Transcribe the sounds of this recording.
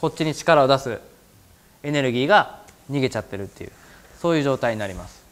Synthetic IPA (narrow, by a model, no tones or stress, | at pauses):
ko̞t̚t͡ɕːiɲ̟it͡ɕi̥kaɾao̞d̪asɨ | e̞ne̞ɾɯ̟ɡʲiːɡaɲ̟iɡe̞t͡ɕat̪ːe̞ɾɯ̟t̪ːe̞jɯ̰ | so̞ːjɯ̟ːʑo̞ːt̪aiɲ̟inaɾʲimasɨ̥